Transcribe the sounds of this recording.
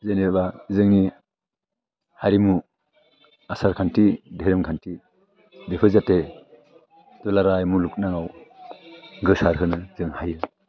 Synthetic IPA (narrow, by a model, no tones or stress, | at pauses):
zeneɾbazɯŋni | haɾimu | asaɾkʰantideɾɯmkʰanti | depʰɯzate | dɔlaɾajmuluk̚naŋaw | ɡɯsaɾɦɯnɯzɯŋhajɯ